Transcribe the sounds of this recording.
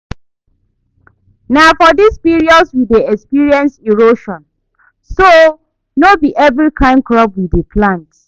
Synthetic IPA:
nafɔdispiɹiɔdswideɛkspiɹiɛ̃nsiɹoʃɔ̃n | so | nobiʔɛvɹikʰãɪ̃nkɹɔp̚wideplãnt

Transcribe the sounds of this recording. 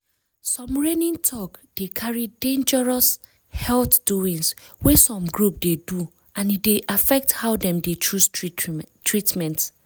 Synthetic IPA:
sɔ̃mɹɛnĩŋtʰɔkd̥ekʰaɹidẽnd͡ʒɛɹɔs | hɛlθd̥uĩŋswɛsɔ̃mɡɹup̚dedu | ãnit̚deʔafɛk̚thaʊdɛ̃mdet͡ʃusttʰɹitmɛ̃nt

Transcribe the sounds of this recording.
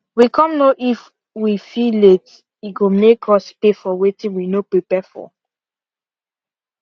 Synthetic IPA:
wikʰɔ̃mnoʔif | wifilet | iɡomekɹɔspefɔwetĩnwinopɹepɛfɔ̰

